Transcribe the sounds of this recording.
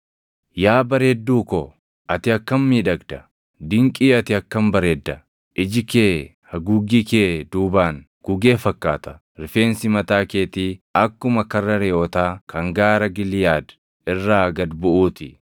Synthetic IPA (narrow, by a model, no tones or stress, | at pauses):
jaːbɐɾeːd̪ːuːkɔ | ʔɐt̪ɪɐkːɐmmiːᶑɐɡd̪ɐ | d̪ɪŋkʼiːɐt̪ɪɐkːɐmbɐɾeːd̪ːɐ | ʔɪd͡ʒɪkeː | hɐɡuːɡikeːd̪uːbaːn | ɡ̥ʊɡe̞ːfɐkːaːt̪ɐ̥ | ɾɪfe̞ːnsɪmɐt̪aːkeːt̪iːɐkːʊmɐkɐrːɐɾeːʔɔt̪aːkɐŋɡaːɾɐɡɪlɪjaːd̪ | ɪrːaːɐɡɐd̪bʊʔuːt̪ɪ